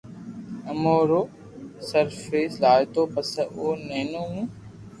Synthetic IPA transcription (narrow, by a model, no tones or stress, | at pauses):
əmoːɾoː | səɾfeːslaːjt̪oːpəsəʔoːneːnoːũː